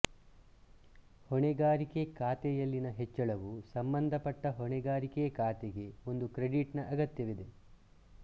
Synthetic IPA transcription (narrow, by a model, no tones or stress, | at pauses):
hɔɳɛɡaːɾikekaːt̪ɛjɐlːinɐɦet͡ʃːɐɭɐʋusɐmbɐnd̪ʱɐpɐʈːɐɦɔɳɛɡaːɾikeɐkaːt̪eɡe̞o̞nd̪ukɾe̞ɽiʈnɐʔɐɡɐt̪jɐʋid̪e̞